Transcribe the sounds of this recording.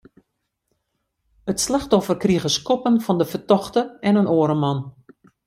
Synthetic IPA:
ətslaxtɔfərkriəɣəskɔpənfɑndəfərtɔxtəɛnənoːɾəmɑn

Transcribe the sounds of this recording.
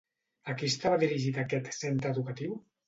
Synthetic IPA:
akist̪aβaðiɾiʒit̪akɛt̪sent̪ɾəːðukat̪iw

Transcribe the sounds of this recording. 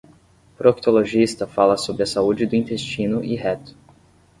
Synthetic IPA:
pɾokt̪oloʒist̪ɐfalɐsobɾɪɐsaud͡ʒɪd̪ʊĩnt̪est͡ʃĩnʊʔiɦɛt̪ʊ̥

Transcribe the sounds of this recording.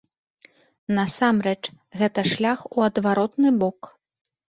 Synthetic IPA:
nɐsamɾɛt͡ʂ | ɣɛt̪ɐʂlʲaxuɐd̪vaɾɔt̪̚nɨbɔk

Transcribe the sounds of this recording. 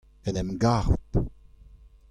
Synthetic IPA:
ɛnɛmɡaʁut̪

